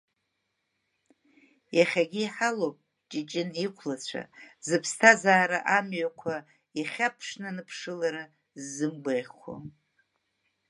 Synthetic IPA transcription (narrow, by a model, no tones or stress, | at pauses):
jaχʲaɡʲiːħalowpʼ | t͡ʃʼit͡ʃʼɪnikʷʰlat͡ɕʷʰa̰zɨpʰstʰazaːɾaʔamɥakʷʰa | iχʲapʰʂnɨnɨpʰʂɨlaɾa | zːɨmbʷejχʲa̰